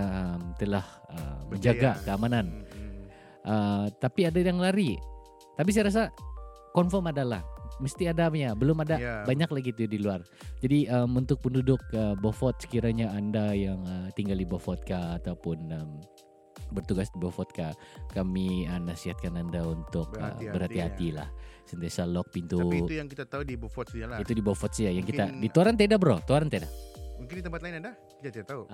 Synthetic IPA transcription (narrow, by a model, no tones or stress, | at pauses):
əmt̪əlahə̰məɲd͡ʒaɡɡakəamanan | ʔət̪apiadajaŋlaɾi | t̪ap̬is̬ajaɾas̬a | kɔnfɔmadalahməst̪iadajabəlʊmadabaɲaklahɡit̪udiluar | d͡ʒadiəmunt̪ʊk̚pəndudʊk̚əbofɔt̪̚sə̥kiɾaɲaandajaŋət̪iŋɡaldibofɔt̪̚kaːt̪aupʊnəm | bərt̪uɡasdibofɔt̪̚kakamiənasiɦat̪̚kanandaunt̪ʊkə̰bəɾhat̪iɦat̪ila̰hsənt̪iasalɔk̚pint̪uujaŋkit̪at̪audibofɔt̪alait̪udibofɔt̪̚sjajaŋkit̪adit̪owaɾant̪edabəɾot̪oaɾant̪aedamuŋkɪnit̪əmpat̪laɪnada | kit̪at̪it̪at̪au